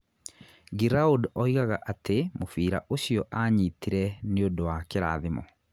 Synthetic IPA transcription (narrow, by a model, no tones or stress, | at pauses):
ɡiɾaodɔiɣaɣaʔatemofiːɾa̰ʔoɕiɔʔaɲitiɾɛneodowakeɾa̰ːðemɔ̰